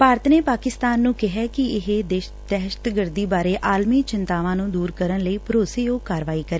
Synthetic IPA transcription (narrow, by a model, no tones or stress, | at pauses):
paːɾt̪ʰneːpaːkɪst̪aːnːũːkɪɦɛːkɪɪɦed̪eːʃ | d̪ɛːʃə̥t̪ɡəɾd̪iːbaːɾeːʔaːlmiːt͡ʃɪnt̪aːʋãːnũːd̪uːɾkəɾənləiːpəɾoːseːjoːkaːɾʋaːiːkəɾeː